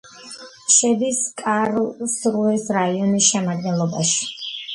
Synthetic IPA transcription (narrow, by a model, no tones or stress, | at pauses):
ʃɛd̪iskʼaɾlsɾuɛsɾaiɔnisʃɛmad̪̚ɡɛnlˠɔba̰ʃi̥